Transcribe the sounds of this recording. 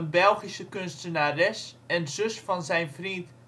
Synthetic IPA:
ənbɛlˠχisəkønstənarɛsɛnzøsfɑnzɛjnfrit

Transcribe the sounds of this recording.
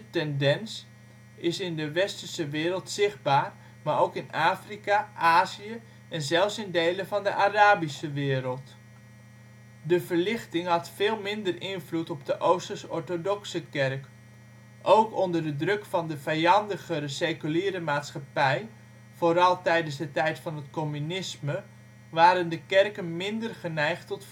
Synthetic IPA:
tɛndɛns | ɪsɪndəʋɛstərsəʋɪːɾəlˠtsɪχ̚baːr | maːɾowkɪnaːfrikaʔaːziə | ɛnzɛlˠfsɪndejləvɑndəʔaːraːbisəʋɪːɾəlˠt | dəvəɹlɪχtɪŋɦɑtfɪːlˠmɪndərɪnvlutɔb̚dəʔowstəsɔɹtodɔksəkɛrk | ʔowkɔndərdədrɵkfɑndəvɛjɑndəχəɾəsejkyliːɾəmaːtsχɑpɛj | v̥oːɾɑlˠtɛjdənszdətɛjtfɑnɦətkomynɪsmə | ʋaːɾəndəkɛrkənmɪndərχənɛjχtɔt

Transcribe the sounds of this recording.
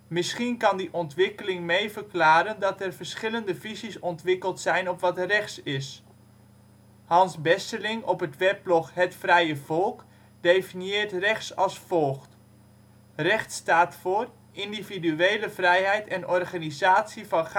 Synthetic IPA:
mɪsχinkɑndiʔɔntʋɪkəlɪŋmejvərklaːɾəndɑtɛrvərsχɪləndəvizisɔntʋɪkəlˠtsɛjnɔpʋɑtrɛχtsɪs | hɑnsbɛsəlɪŋɔpətʋɛp̚lɔxɦətfrɛjəv̥ɔlˠk | dejfinjɪːrtrɛχtsɑlˠsfɔlˠχt | rɛχtstaːtfoːr | ʔindividyeːləvrɛjɦɛjtɛnɔrχanizaːtsivɑn

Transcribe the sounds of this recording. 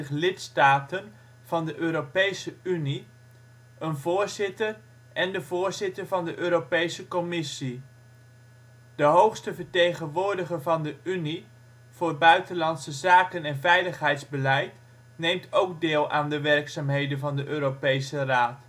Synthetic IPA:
ɪχlɪtstaːtən | v̥ɑndəʔøːɾopejsəyni | ənvʊːɹzɪtəɹ | ɛndəvʊːɹzɪtəɹvɑndəʔøːɾopejsəkɔmɪsi | d̥əɦowχstəvəɹtejχənʋʊːɹdəχəɹvɑndəyni | v̥ʊːɹbœɥtənlɑntsəzaːkənɛnvɛjləχɦɛjtzbəlɛjt | nejmtʰowɡ̚dɪːlˠʔaːndəʋɛɹksaːmɦejdənvɑndəʔøːɾopejsəraːt

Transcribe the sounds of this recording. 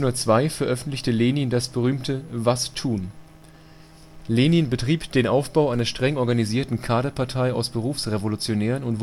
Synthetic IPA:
nʊmɐt͡sv̥aɪfɛɐʔœfn̩tlɪçtəleːniəndasb̥əʁ̞yːmtʰəvastʰuːn | leːniənbətʁ̥iːpd̥eːnʔaʊfb̥aʊʔaɪnɐʃtʁ̥ɛŋɔɐɡaniziːɐtn̩kʰaːɾɐpʰaɐtʰaɪaʊsb̥əʁuːfsʁevolut͡sjonɛːʁənʊnt

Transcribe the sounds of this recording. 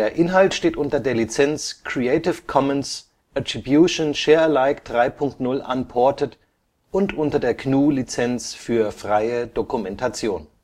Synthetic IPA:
eːɐʔɪnɦaltʃteːtʔʊntɐdeːɐlit͡sɛnt͡skʁ̥ieɪtɪfkʰɔməns | ʔatʁ̥ibjuːʃonʃɛːɐlaɪkd̥ʁaɪpʰʊŋk̚tnʊlʔa̰npʰɔɐtət | ʔʊntʔʊntɐdeːɐknuːlit͡sɛnt͡sfyːɐfʁ̥aɪəd̥okumɛntʰat͡sjoːn

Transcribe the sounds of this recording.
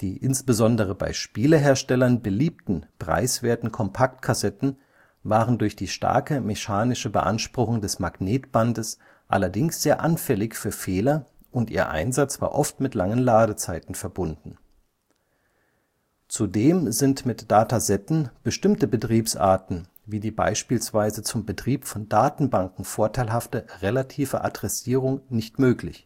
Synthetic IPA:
d̥iːʔɪnsb̥əzɔndəʁ̞əba̰ɪʃpiːləɦeːɐʃtɛlɐnbəliːp̚tn̩pʁ̥a̰ɪsv̥eːɐtn̩kʰɔmpʰak̚t̚kʰasɛtn̩ | vaːʁəndʊɐçd̥iːʃta̰ɐkəmɛʃaːnɪʃəbəʔa̰nʃpʁ̥ʊxʊŋdɛsmaɡ̥neːtb̥andəs | ʔa̰lɐdɪŋsz̥eːɐʔanfɛlɪçfyːɐfeːlɐ | ʔʊntʔiːɐʔa̰ɪnzat͡sv̥a̰ːɐʔɔftmɪtlaŋənlaːdət͡saɪtn̩fɛɐbʊndn̩ | t͡sudeːmzɪntmɪtd̥aːtazɛtn̩b̥əʃtɪmtəbətʁ̥iːpsʔa̰ːɐtn̩ | viːdiːba̰ɪʃpiːlsv̥aɪzət͡sʊmbətʁ̥iːpfɔndaːtn̩baŋkŋ̩foːɐtʰaɪlɦaftəʁelatʰiːfə̰ʔa̰dʁɛsiːʁ̞ʊŋnɪçtmøːklɪ̰ç

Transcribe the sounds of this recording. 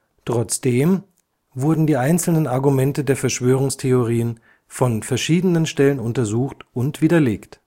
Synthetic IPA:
tʁ̥ɔt͡sd̥eːm | vʊɐdn̩diːʔaɪnt͡sl̩nənaɐɡumɛntədeːɐfɛɐʃv̥øːʁʊŋstʰeoʁiːən | fɔnfɛɐʃiːdənənʃtɛlənʊntɐzuːxtʊntv̥iːdɐleːkt

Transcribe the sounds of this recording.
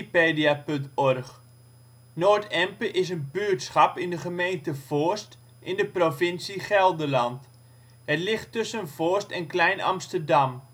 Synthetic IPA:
peːdiapɵntɔrχ | noːtɛmpəʔɪs̬ənbyətsχɑpɪndəχəmejntəv̥oːst | ʔɪndəprofɪnsiχɛlˠdəlɑnt | ɛtlɪχtːɵsənvoəstɛnklɛjnɑ̰mstərdɑm

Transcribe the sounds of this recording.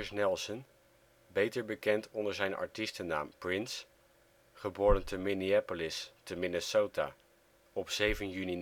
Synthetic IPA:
snɛlˠsən | bejtəɹbəkɛntʰɔndəɹzɛjnɑ̰ɹtistəna̰ːmprɪns | χəbʊːɹəntəmɪniaːpolɪstəmɪnəsowta̰ː | ɔpsejvənjyni

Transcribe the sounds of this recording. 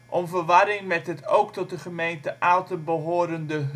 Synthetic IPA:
ʔɔmvəɹʋɑɾɪŋmɛtɦətowktɔt̚dəχəmejntəʔaːlˠtəbəɦoːɾəndəɦ

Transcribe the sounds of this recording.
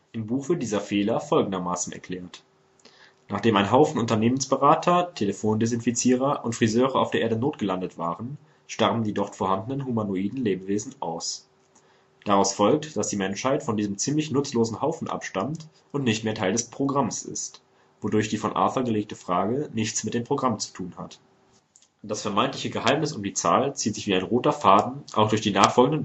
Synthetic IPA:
ʔɪmbuːxv̥ɪɐt̚d̥iːzɐfeːlɐfɔlɡŋ̩dɐmaːsn̩ɛ̰ɐkʰl̥ɛːɐt | naːχd̥eːmaɪnɦaʊfn̩ʊntɐneːmənsb̥əʁaːtʰɐtʰeləfoːndɛs̬ɪnfit͡siːʁ̞ɐʔʊntfʁ̥izøːʁəaʊfdeːɐʔeːɐdənoːt̚ɡ̥əlandətv̥a̰ːʁən | ʃtaʁbn̩diːdɔʁtfoɐhandn̩ənɦumanoiːdn̩leːbəveːzn̩ʔa̰ʊs | d̥aʁaʊsfɔlk̚td̥asd̥iːmɛnʃhaɪtfɔndiːzəmt͡siːmlɪçnʊt͡sloːzn̩haʊfn̩ʔa̰pʃtamt | ʔʊntnɪçtmeːɐtʰaɪldɛspʁ̥oɡʁamsɪ̰st | vodʊɐçd̥iːfɔnʔa̰ːθɐɡəleːk̚təfʁ̥aːɡənɪçt͡smɪt̚d̥eːmpʁ̥oɡʁamt͡su̥tʰuːnha̰t | d̥asfɛɐmaɪntlɪçəɡəhaɪmnɪsʊmdiːt͡saːlt͡siːtz̥ɪçv̥iːaɪnʁoːtɐfaːdn̩ʔa̰ʊxd̥ʊɐçd̥iːnaːχfɔlɡŋ̩də

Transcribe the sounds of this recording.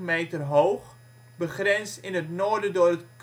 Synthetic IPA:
meːtərɦowχ | bəχrɛnstɪnətnoːərdədʊːrətk

